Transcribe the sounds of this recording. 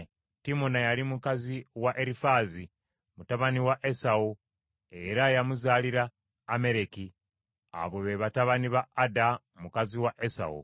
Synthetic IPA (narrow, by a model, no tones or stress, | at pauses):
timonajalimukaziwaʔeɾifazi | mutaβaniwaʔe̞sau | e̞ɾajamuzaːliɾaː | me̞ɾe̞ki | a̰βweβeβataβaniβaːda | mukaziwaʔesa̰ṵ